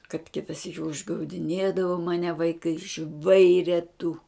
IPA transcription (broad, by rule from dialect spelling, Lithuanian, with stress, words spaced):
kɐt ˈkʲɪtɐ ˈsʲiːkʲɪ ʊʒɡɐʊdʲɪˈnʲeːdɐʋoː mɐˈnʲɛ ʋɐɪˈkɐɪ ˈʒʋɐɪrʲɛ tʊ